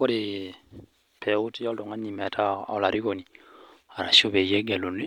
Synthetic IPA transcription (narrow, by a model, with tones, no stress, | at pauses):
o˦ɾi | pʰeu˦ti˦jɔ˦ldo˨ŋa˦ni˨mɛ˨tʰa̰˦o˨la˨ɾi˦ko˨nia˨ɾa̰˨ʃo˦βe˨je˦ɡɛ˨lo˨ne˦